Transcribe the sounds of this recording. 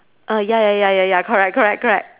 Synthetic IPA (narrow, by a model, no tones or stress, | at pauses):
ʔʌjajajajajækʰə˞ɛk̚kʰə˞ɛk̚kʰə˞ɛ̰k̚t̚